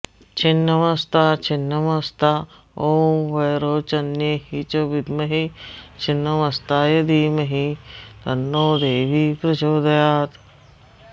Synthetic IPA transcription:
t͡ʃinːɐmɐst̪aːt͡ʃʰinːɐmɐst̪ʰa | oːʋɐjɾoːt͡ʃɐnjeɦit͡ʃoʋid̪mɐɦit͡ʃinːɐmɐst̪aːjɐd̪imɐɦit̪ɐnːoːd̪eːʋipɾɐd͡ʒoːd̪ɐjaːt̪

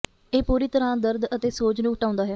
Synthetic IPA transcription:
eːpuːɾiːt̪əɾãːd̪əɾd̪ət̪eːsoːd͡ʒnũːʊʈãːʊ̃nd̪aːɦɛː

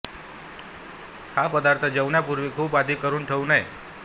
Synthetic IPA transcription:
hapəd̪aɾt̪ʰəd͡ʒəwnjapuɾʋikʰuːpad̪ʱikəɾunʈʰəũnəj

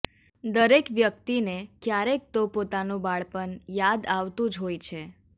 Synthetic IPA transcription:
d̪əɾekʋjək̚t̪inekjaɾek̚t̪opot̪anũbaɭpənjad̪aʋt̪ũd͡ʒɦojt͡ʃʰe

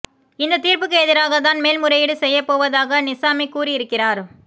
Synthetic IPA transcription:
ɪnd̪ɐt̪iːɾpɯkːeːðɪɾaːɣɐt̪̬aːnmeːlmʊɾɐjɪɽɯsɛjːɐpːoːʋɐðaːɣɐnɪsaːmɪkːuːrɪjɪɾɯkːɪraːɾ

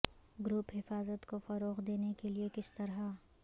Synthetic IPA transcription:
ɡɾʊpɦɪfaːzət̪kofɐɾoːqd̪eːnekeliekɪst̪ɐɾɦa

